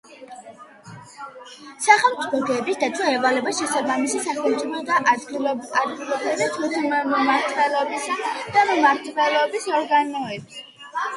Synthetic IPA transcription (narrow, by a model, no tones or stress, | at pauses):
saχɛlˠmt̪sʼipʰɔɡɛːbisd̪at̪sʼwaɛvalɛbasʃɛsabamisisakʰɛlmt̪sʼipʰɔd̪a | ad̪ɡilˠɔbɛd̪at̪ʰut̪ʰimmɔmaɾt̪ʼvɛlɔbisd̪̥amɔmaɾt̪ʼvɛlˠɔbisɔɾɡanɔɛbs